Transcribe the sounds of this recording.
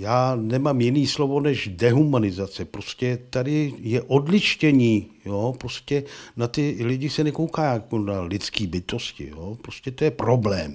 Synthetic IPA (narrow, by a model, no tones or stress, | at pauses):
jaːnɛmaːmjɪniːslo̞vo̞nɛʃdɛɦumanɪzat͡sɛpɾoscɛt̪adɪjɛʔodlɪʃcɛɲiːjopɾo̞scɛnat̪ɪlɪɟɪsɛnɛkowkaːjakonalɪt͡skiːbɪt̪o̞scɪ̰jopɾoscɛt̪o̞jɛpɾo̞blɛːm